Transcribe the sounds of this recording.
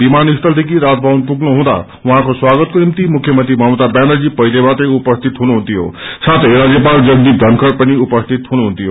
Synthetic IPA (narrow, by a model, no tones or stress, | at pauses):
bimanist̪ʰʌld̪ʱekiɾad͡zbʱawnpuɡnuɦũd̪a̰ | uɦãkoswaɡʌt̪̚konimt̪imukʰjʌmʌnt̪ɾimʱʌmut̪abjanʌd͡zipʌjd̪ebat̪ʌjupʌst̪ʰit̪ɦunuɦũnt̪ʰijo̰sat̪ʰʌjɾad͡zjepald͡zʌɡd̪id̪ʱʌnkʰʌɾpʌniupʌst̪ʰit̪ɦunuɦũnt̪ʰijo